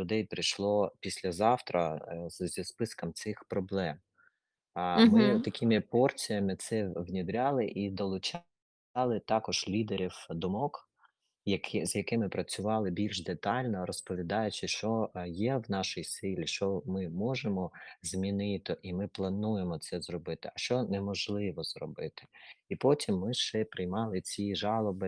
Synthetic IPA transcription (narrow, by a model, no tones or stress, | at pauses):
lʲʊd̪ɛjpɾɪjʃlˠɔpʲisʲlʲɐzɑwt̪ɾɐzʲispɪskɐmt̪sɪxpɾɔblˠɛm | mɪt̪ɐkʰʲɪmɪpɔrt͡sʲijɐmɪt̪sɪwnʲid̪ɾʲɑlˠɪʔid̪ɔlˠʊt͡ʃɑ | lˠɪt̪ɑkɔʒ̥lʲid̪eɾʲiwd̪ɔmɔk | jɐkʰzʲjɐkɪmɪpɾɐt͡sʲʊʋɑlˠɪbʲilʲʒd̪et̪ɑlʲnɔɾɔspɔʋʲid̪ɑjʊt͡ʃɪʃt͡ʃɔjɛwnɑʃɪjsɪlʲiʃt͡ʃɔmɪmɔʒemɔzʲmʲinɪt̪ɪʔimɪplˠɐnujemɔt̪sɛzrɔbɪt̪ɪɐʃt͡ʃɔnɛmɔʒlˠɪʋɔzrɔbɪt̪ɪ̥ipɔtʲimːɪʃt͡ʃɛpɾɪjmɑlˠɪt͡sʲiʒɑlˠɔbɪ